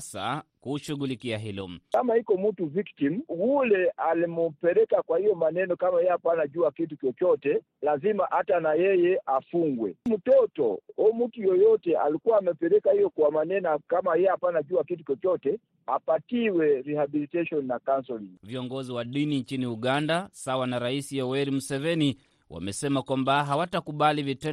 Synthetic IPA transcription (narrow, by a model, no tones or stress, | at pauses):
sa̰kuʃuɣulikiaɦilɔ̰kamahikɔmutuviktimwulɛalimupɛɾɛkakwahijɔmanɛnɔkamajɛapanaʄuakit̬ut͡ʃɔt͡ʃɔtɛ | lazimaʔatanajɛjɛʔafuŋɡwɛ̰m̩tɔtɔ̰ɔmutujɔjɔtɛa̰likuwaːmɛpɛɾɛkahijɔkuwamanɛnɔkamajɛapanaʄuakitut͡ʃɔt͡ʃɔtɛ | apatiwɛɾihabilitɛʃɔnnakansɔliŋviɔŋɡɔziwaɗiniɲt͡ʃiniuɠandasawanaɾaisiɔwɛɾimusɛvɛni | wʔa̰mɛsɛmakwambaɦawatakuɓalivitɛ